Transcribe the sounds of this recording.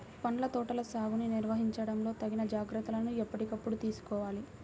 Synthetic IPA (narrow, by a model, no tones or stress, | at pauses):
pɐɳlɐt̪ɔːʈɐlɐsaːɡuniniɾʋɐɦiɲt͡ʃɐɽɐmlo̞ːt̪ɐɡinɐd͡ʒaːɡɾɐt̪ːulɐnuɛpːɐʈikɐpːuɽut̪iːsu̥kɔːʋaːli